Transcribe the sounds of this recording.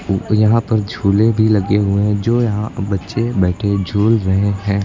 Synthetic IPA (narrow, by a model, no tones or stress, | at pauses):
jɐɦãpɐɾd͡ʒʱuːlẽbʱilɐɡeɦʊẽɦd͡ʒoːjɐɦãbɐtːʃebɛːʈʰed͡ʒʱuːlɾɐɦeɦɛ̃ː